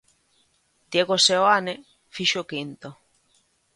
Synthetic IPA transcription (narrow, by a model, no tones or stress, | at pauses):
d̪̥jeɣoseoane | fiʃokint̪o